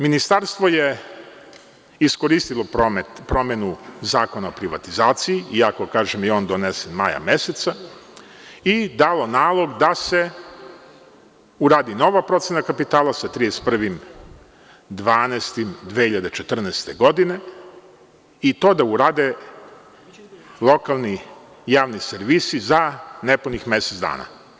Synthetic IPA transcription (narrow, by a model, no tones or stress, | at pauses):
minist̪aɾst̪ʋo̞je̞ | iskoɾist̪ilˠo̞omet̪pɾo̞me̞nuzaːko̞naopɾiʋa̰t̪izaːt̪sijiiakokaːʒemjeo̞ːnd̪o̞nesenmaja̰me̞set̪sa | id̪alˠo̞naːlˠo̞ɡd̪ase̞ | uɾaːd̪ino̞ʋapɾo̞t̪senakapit̪aːlˠasat̪ɾijespr̩ʋim | d̪ʋaːnest̪imd̪ʋehiʎad̪e̞t͡ʃet̪r̩nɛst̪eɡo̞d̪ine̞ | it̪o̞ːd̪auɾaːd̪e | lˠo̞kalˠni | jaːʋniseɾʋisizanepunixme̞sezd̪a̰ːna̰